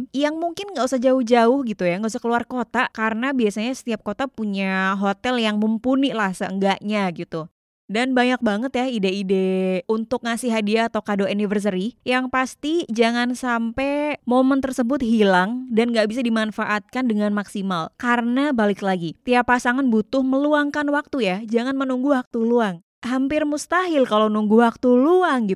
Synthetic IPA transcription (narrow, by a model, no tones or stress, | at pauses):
jaŋmuŋkɪnŋɡausahd͡ʒaʊhd͡ʒaʊhɡit̪ujaŋɡausahkəluarkot̪akaɾənabiasaɲasə̥t̪iap̚kot̪apuɲaɦot̪ɛljaŋməmpuniʔlahsəəŋɡaʔɲaɡit̪u | danbaɲak̚baŋət̪jaideideunt̪ʊk̚ŋasiɦadiaːt̪awkadoʔunifərs̬əɾijaŋpast̪id͡ʒaŋansampɛmomənt̪ərsəbʊt̪̚ɦilaŋdanŋɡaʔbis̬adimanfaʔat̪̚kandəŋanmaksimalkaɾənabalɪklaɡit̪iapasaŋanbut̪ʊhməluaŋkanwak̚t̪ujad͡ʒaŋanmənuŋɡuwak̚t̪uluaŋ | ɦampɪrmust̪aɦɪlkalownuŋɡuwak̚t̪uluaŋɡi